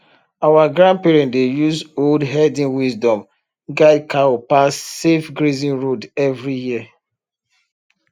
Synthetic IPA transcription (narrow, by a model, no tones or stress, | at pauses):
awaɡɹãn̚pɛɹɛ̃ndejuzoldɦɛdĩnwisdɔ̃m | ɡaɪdkʰaopasːefɡɹizĩnɹodɛvɹijiə